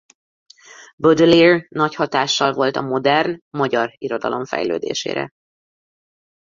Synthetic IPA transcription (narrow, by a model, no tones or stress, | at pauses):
bød̪ølirnɒchɒt̪aːʃːɒlvo̞lt̪ɒmo̞d̪ɛrnmɒɟɒriɾo̞d̪ɒ̰lo̞mfɛ̰jløːd̪ḛːʃḛːɾɛ̰